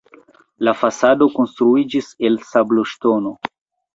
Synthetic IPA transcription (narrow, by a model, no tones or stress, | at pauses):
lafasado̞ko̞nstɾuid͡ʒise̞lsablo̞ʃto̞no̞